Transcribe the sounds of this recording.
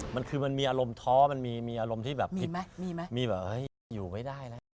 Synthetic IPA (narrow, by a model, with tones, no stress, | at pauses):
ma˧nkʰɯː˧ma˧nmiː˧ʔaː˧ɾo˧mt̪ʰɔː˦˥ma˧nmiː˧miː˧ʔaː˧ɾo˧mt̪ʰiː˥˩bɛː˨˩pʰi˦˧˦miː˧m˦˥miː˧bɛː˨˩p̚hɤ˦˥˩j | juː˨˩ma˦˥˩jdaː˥˩jla˦˥